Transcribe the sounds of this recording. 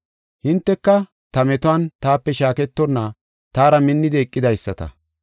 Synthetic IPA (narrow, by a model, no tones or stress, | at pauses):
hɪnt̪ːɛkːɐ | t̪ɐmɛt̪ʊɐnt̪aːpːɛʃaːkɛt̪ːɔnːa | t̪aːɾɐmɪnːɪd̪ɛːkʼːɪd̪ɐjsːɐt̪ɐ̰